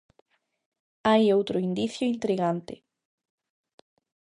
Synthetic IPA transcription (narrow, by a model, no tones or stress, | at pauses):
ajowt̪ɾoind̪iθjoint̪ɾiɣant̪ḛ